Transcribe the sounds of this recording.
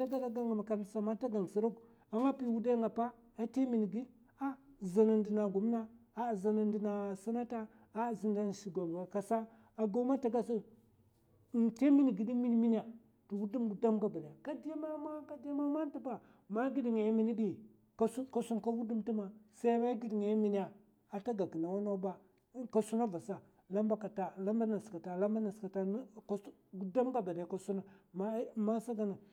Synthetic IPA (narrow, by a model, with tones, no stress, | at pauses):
ta˦ɡa˦da˨ɡa˦ŋa˨ma˨ka˨ɾsa˨ma˦ta˦ɡa˨ŋ˨si˨˦ɾu˦k | a˨˦ŋa˦pi˦wu˦da˦ŋɡa˨pa˦ | a˨te˦mi˨ni˨ɡi˦ | a˦˨za˨na˨ndi˨na˨ɡu˨m˦na˦a˨za˨na˨n˦di˨na˨si˦na˦ta˦ | a˦˨zi˨nda˦n˨ʃi˨ɡo˨m˨ɡa˨ka˨sa˦ | a˨ɡo˦ma˦ta˨ɡa˦su˦˨ | te˦mi˦ni˨ɡi˨di˦mi˦ni˦mi˦ni˦a˨ | tu˨wu˦di˦mɡu˨da˦mɡa˦˨ba˨na˨a˨ka˦di˦ja˦ma˦ma˦ka˦di˦ja˦ma˦ma˦n˦ti˦pa˨ | ma˦ɡi˦di˨ŋa˨jmi˦ni˦ɗi˦˨ | ka˦su˦ka˦su˦nka˦wu˦di˦mti˦ma˨sa˦ba˦ɡi˦di˨ŋe˨a˦mi˦ni˦ja˨ | a˨ta˦ɡa˨ki˨na˨wa˦na˦ba˦ | ka˨su˦na˦va˨sa˨ | la˦mba˦ka˨ta˨la˦mba˦na˨ska˨ta˨la˦mba˦na˨ska˨ta˦ | ɡu˦da˦mɡa˨ba˨na˨ja˨ka˨su˦na˨ma˦ma˦sa˦ɡa˦na˨